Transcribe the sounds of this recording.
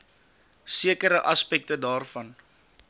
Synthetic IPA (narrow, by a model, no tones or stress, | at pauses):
siəkəɾəʔɐspɛk̚tədɑːrfɐn